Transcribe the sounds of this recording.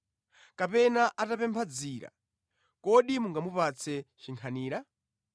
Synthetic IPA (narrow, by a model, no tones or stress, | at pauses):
kapɛnaʔatapɛmpʰad͡ziːɾa̰ | kɔɗimuŋɡamupat͡sʰɛt͡ʃiŋkʰaniːɾa